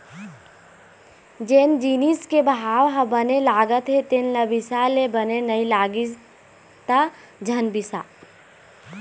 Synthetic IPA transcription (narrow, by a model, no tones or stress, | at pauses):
d͡ʒeːnd͡ʒiːniskebɦaːwɦɐbənelaːɡət̪ɦet̪enləbɪsalebənenəilaːɡiz | t̪a | d͡ʒʱɐnbɪsa̰ː